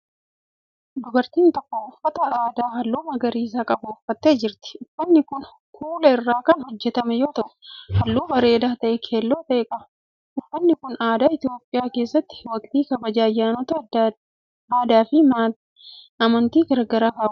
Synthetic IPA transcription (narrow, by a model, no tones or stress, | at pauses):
d̪ʊɡɐɾt̪iːnt̪ɔkːoʊfːɐt̪ɐaːd̪aːɦɐlːuːmɐɡɐɾiːs̬aːkʼɐbʊʊfːɐt̪ːe̞ːd͡ʒɪɾt̪ɪ̥ʊfːɐnːɪkʊn | kʰuːlɐɪrːaːkɐnhɔd͡ʒːɛt̪ɐmɛjo̞ːt̪ɐʔʊ̥hɐlːuːbɐɾe̞ːd̪aːt̪ɐʔɛkʰeːlːo̞ːt̪ɐʔɛkʼɐbʊ̥ | ʔʊfːɐnːɪkʊnaːd̪aːɪt̪ɪjo̞ːpʼːɪjaːke̞ːsːɐt̪ːɪ̥wɐkʼt̪iːkɐbɐd͡ʒaːɐjːaːnɔt̪ɐd | aːd̪aːfɪma | ɐmɐnt̪iːɡɐɾɡɐɾaːkaː